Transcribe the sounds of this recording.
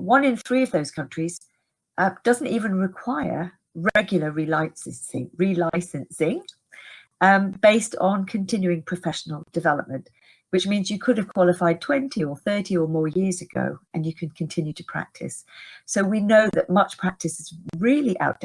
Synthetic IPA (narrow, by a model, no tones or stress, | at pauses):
wʌ̃nɨ̃nθɹiʌvðoʊz̥kʰʌ̃nt͡ʃɹ̥iz̥ | ʔʌd̥ʌz̃n̩tivɨ̃nɹɪkʰw̥aɪə̰˞ | ɹɛɡjl̩ˠəɹilaɪsɨsɪ̰̃ŋɹilaɪsɨ̃nsɪ̃ŋ | b̥eɪstn̩kʰɨ̃ntʰɪ̃njʉɪ̃ŋpʰɹ̥əfɛʃn̩l̩ˠdɨvɛlˠə̰p̚mə̃nʔ | wɨt͡ʃmĩnzjɨkʰʊɾɨv̥kʰw̥ɑlˠəfaɪd̚tʰw̥ɛ̃ntʰiəθɜ˞ɾiə˞mɔɹjɪɹzɨɡ̥o̰ʊɨ̃njɨkʰɨ̃nkʰɨ̃n̩tʰɪ̃njʉtʰɨpʰɹ̥æ̰k̚tʰɨ̰sːoʊwinoʊðɨʔ̚mʌt͡ʃpʰɹ̥æk̚tɨsɨzɹɪlˠiʔa̰ʊt̚d̥